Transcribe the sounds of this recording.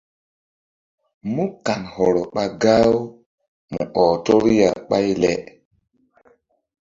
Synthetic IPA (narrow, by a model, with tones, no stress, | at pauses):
mu˦ka˨nhɔ˨ɾɔ˨ɓa˨ɡa˦w | mṵ˨ʔɔ˨to˦ɾja˨ɓa˦jlɛ˨ʔ